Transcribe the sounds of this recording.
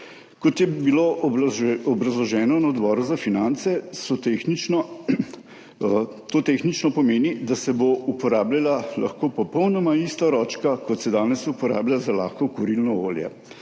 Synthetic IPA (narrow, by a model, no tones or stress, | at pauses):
kɔt̪jɛbilo | ɔbɾɐzlɔʒɛːnɔnaɔd̪bɔːɾuzafinant̪sɛsɔt̪enin | t̪oːt̪exnit͡ʃnɔpɔmeːnid̪asɛboupɔɾaːblʲalala̰xkoːpɔpɔwnɔmaist̪aɾɔːt͡ʃkakɔt̪sɛd̪aːnɛsupɔɾa̰ːbljʲazala̰ːxkɔkuɾilnɔo̰ːljɛ̰